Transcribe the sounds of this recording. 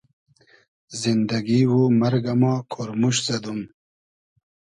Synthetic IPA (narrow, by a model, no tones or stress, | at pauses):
zind̪ɐɡiwumɐɾɡamaːkʰoɾmuɕzɐd̪um